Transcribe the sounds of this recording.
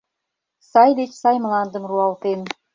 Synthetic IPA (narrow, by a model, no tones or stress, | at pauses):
sɑjd̪et͡ɕsɑjmlɑnd̪ə̆mruɑlt̪en